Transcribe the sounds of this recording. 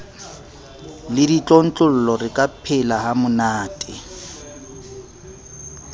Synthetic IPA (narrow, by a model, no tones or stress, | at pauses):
lɪdit͡ɬʼɔn̩t͡ɬʼʊl̩lɔrɪkʼapʰɪlahamʊnaːtʼɪ